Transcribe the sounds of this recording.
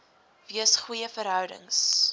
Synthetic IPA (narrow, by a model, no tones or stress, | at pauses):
viəsχwujəfəɾɦœwdə̰ŋs